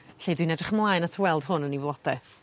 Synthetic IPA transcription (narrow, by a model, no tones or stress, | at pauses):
ɬeːdwinɛdrɪχmlˠajnatʰəwɛlˠd̥ɦʊnənivlˠɔd̥ɛ